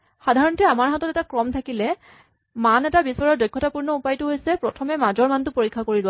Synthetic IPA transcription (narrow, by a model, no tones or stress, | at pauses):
xadʱaɹɔntɛamaɹɦatɔtɛtakɹɔmtʰakilɛ | manɛtabisɔɹɔɹdɔjkʰːɔtapuɹnɔupajtʊɦojsɛpɹɔtʰɔmɛmazɔɹmantʊpoɹikʰːakoɹilʊa